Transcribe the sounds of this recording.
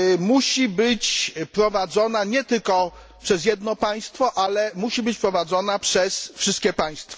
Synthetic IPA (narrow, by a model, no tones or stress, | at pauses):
muɕibɘt͡ɕpɾɔvad̪zɔnaɲɛt̪ɘlkɔ | pʂɛzjɛd̪nɔpaj̃st̪fɔʔalɛmuɕibɘt͡ɕpɾɔvad̪zɔnapʂɛsfʂɘst̪kʲɛpaj̃st̪fa